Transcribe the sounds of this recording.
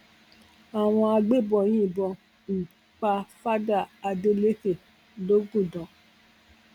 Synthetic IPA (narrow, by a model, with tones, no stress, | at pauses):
a˨w̃ɔ̃˧a˧ɡ͡be˦˨bɔ˨j̃ĩ˦˨bɔ˧ | m̩˨ | k͡pa˧fa˦da˦˨a˧de˦le˦ke˦˨ | lo˦ɡũ˦˨dɔ̃˨˦